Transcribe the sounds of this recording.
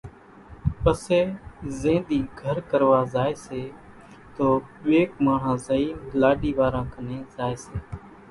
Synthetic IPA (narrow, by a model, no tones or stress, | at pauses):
pəseːzẽːd̪iːɡʱəɾkəɾʋaːzaːeːseː | t̪oːɓeːkmaːɳ̤ãːzəiːmlaːɗiːʋaːɾãːkəneːzaːeːseː